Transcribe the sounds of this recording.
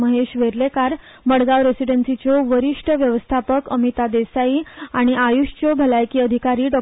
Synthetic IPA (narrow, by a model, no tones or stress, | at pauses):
məɦeɕʋeɾlekaɾ | bəɽɡaʋɾesiɖənsit͡ɕoʋəɾiʂʈəʋjəʋəst̪ʰapəkəmit̪ad̪esaiaɽ̃iʔajuɕt͡ɕobʱəlajkiːəd̪ʱikaɾiːɖɔ